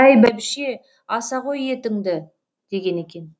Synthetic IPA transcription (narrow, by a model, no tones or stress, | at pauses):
æjbæbɪʃe̞ | ɑsɑʁo̞je̞t̪ɪŋd̪ɪ | d̪̥e̞ɡʲe̞ne̞kʲe̞n